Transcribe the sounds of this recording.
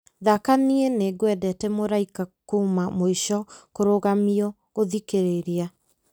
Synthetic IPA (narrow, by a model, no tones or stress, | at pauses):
ðakanieneɡwɛdɛtɛmoɾaikakumamoiʃɔkoɾoɣamiɔ | ɣoðikeɾeɾa